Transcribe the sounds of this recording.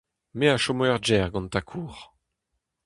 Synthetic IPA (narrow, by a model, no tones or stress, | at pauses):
meaʃɔmɛʁd͡ʒɛːʁɡɑ̃nt̪akʰuːʁ